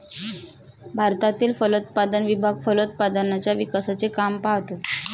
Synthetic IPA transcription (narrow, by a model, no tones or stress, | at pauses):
bʱaɾt̪at̪iːlfəlot̪̚pad̪ənʋibʱaɡfəlot̪̚pad̪ənat͡ɕjaʋikasat͡sekampaʋt̪o